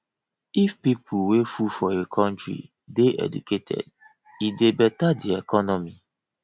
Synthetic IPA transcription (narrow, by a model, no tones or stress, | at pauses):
ifpipʰuwefufɔekʰɔ̃ntɹḭ | deʔɛ̰dṵkʰetʰɛ̰d | idebɛtadiekɔnɔmi